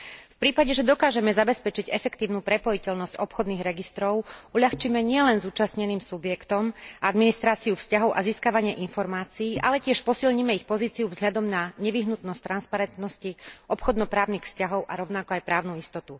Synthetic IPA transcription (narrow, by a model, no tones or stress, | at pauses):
fpɾiːpaɟɛʒɛd̪ɔkaːʒɛmɛzabɛspɛt͡ʃiɟɛfɛkt̪iːʊnuːpɾɛpɔjicɛʎnɔscɔpxɔd̪niːɣɾɛɡist̪ɾɔʊuʎaxt͡ʃimɛɲɪɛlɛnzuːt͡ʃasɲɛniːmsubjɛkt̪ɔmad̪minist̪ɾaːt͡siufscaɦɔʊʔaziːskaʋaɲɪɛʔinfɔɾmaːt͡siːʔalɛcɪɛʃpɔsilɲimɛixpɔziːt͡siuvzɦʎad̪ɔmnaɲɛʋiɦnut̪nɔst̪ɾanspaɾɛnt̪nɔsciɔpxɔd̪nɔpɾaːʊniːxfscaɦɔʊʔaɾɔʊnakɔajpɾaːʊnuist̪ɔt̪u